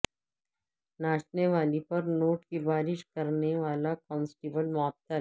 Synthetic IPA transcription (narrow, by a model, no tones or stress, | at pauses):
naːʃneʋaːlipɐɾnoːʈkibaːɾɪʃkɐɾneʋaːlakɔːnsʈiːbəlmɐɦəb̚t̪a